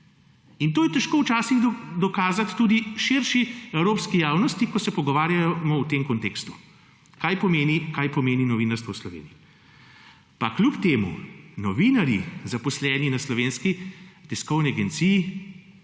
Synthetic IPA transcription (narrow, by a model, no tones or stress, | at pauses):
int̪oːjɛt̪ɛʃkoːwt͡ʃaːsiɣd̪ɔkaːzat̪ːuːd̪iʃiɾʃiɛwɾoːpskijaːwnɔst̪ikɔsɛpɔɡɔʋaːɾjajɔmɔwt̪emkɔnt̪eːkst̪u̥ | kajpɔmeːnikajpɔmeːninɔʋiːnaɾst̪ʋɔwslɔʋḛːniji | paklʲupt̪eːmṵnɔʋinaɾjḭzapɔslɛːninaslɔʋeːnskit̪ɛskɔwniaɡent̪siːji